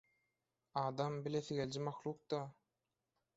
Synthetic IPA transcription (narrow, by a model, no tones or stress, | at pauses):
ɑːd̪ɑmbileθiɡelʲd͡ʒimɑxlˠuːq̚d̪ɑ